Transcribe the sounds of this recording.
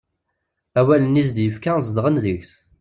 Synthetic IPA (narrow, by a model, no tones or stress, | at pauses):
æwælənis̬d̪jəfkæzəd̪ʁənðəçθ